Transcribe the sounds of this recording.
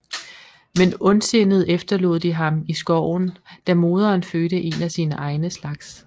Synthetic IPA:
menɔ̽nse̝nð̞̩ˠefd̥ɐlo̝ð̞ˠd̥iɦɑ̈misɡ̥ɒʊ̰nd̥æmo̝ːð̞ˠɐːnføːdəʔe̝næsiːnəʔɑ̈ɪnəslɑ̈ɡ̥s

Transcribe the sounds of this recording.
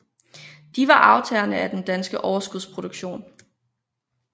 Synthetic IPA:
d̥iʋɑ̈ʔɑ̈ʊt͡sʰɛːɐnəæd̥end̥ænsɡ̥əʔɒʊɐsɡ̥uðˠspʰʁo̝d̥uɡ̥ɕo̝̰ːn

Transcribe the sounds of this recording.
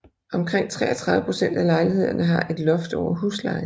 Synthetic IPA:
ɒ̽mkʰʁeŋ̰t͡sʰʁɛ̰ːɐt͡sʰʁɑ̈ðˠʋəpʰʁo̝sen̰d̥ælɑ̈ɪlihe̝ð̞̰ˠɐnəɦɑ̈ʔe̝d̥lɔ̽fd̥ɒʊ̰ɐɦuːslɑ̈ɪ

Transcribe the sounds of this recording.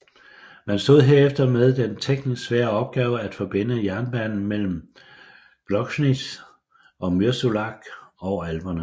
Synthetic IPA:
mænsd̥o̝ð̞̰ˠɦe̝ɐefd̥ɐmeðˠd̥ent͡sʰeɡ̥ni̥sʋæːɐɒ̽b̥̚ɡ̥ɛːʊəæd̥fɒ̽b̥e̝n̰əjæɐnb̥æn̰n̩mel̰m̩ | b̥lɒ̽ɡ̥snid̥ | ʔɒ̽myɐsulɑ̈ɡ̥ɒʊælb̥ɐnə

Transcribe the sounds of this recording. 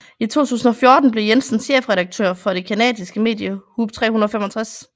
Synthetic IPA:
it͡sʰo̝̰ːt͡sʰṵːsn̩ɒ̽fjo̝ɐd̥n̩b̥le̝jensn̩sɕḛːfʁɛɾɑ̈ɡ̥̚t͡sʰø̰ɐfɒ̽ɾe̝kʰænɛ̰ːd̥isɡ̥əme̝̰ːd̥jəhub̥̚t͡sʰʁɛ̰ːhunɐðˠfemɒt͡sʰʁas

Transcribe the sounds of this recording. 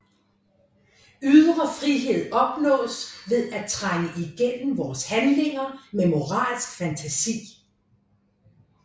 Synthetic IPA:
yðˠʁɐfʁiɦe̝ð̰ˠɒ̽b̥nɔ̰̽ːsʋe̝ðˠæt͡sʰʁaŋəʔiɡ̥en̰m̩ʋɒːshænle̝ŋɐmemo̝ʁɑ̰̈ːlsɡ̥fænt͡sʰæsḭː

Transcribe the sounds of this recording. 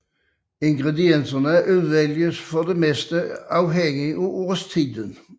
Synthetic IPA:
ɪŋɡʁɛd̪ɪɛnsənəæʔʉðʋɛljəsfɔd̪emɛst̪əɑʊɦɛŋɪʔuʔoːʁst̪ʰiːd̪ən

